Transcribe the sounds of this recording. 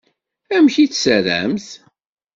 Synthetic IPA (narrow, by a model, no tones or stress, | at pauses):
æmçiθsəɾæ̰mθ